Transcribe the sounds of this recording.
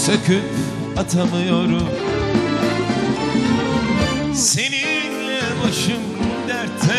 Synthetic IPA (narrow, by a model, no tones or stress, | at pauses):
sakʰɯp | at̪ʰamɯjoɾum | se̞ninlɛbaʃɯmːud̪æɾt̪ʰɛ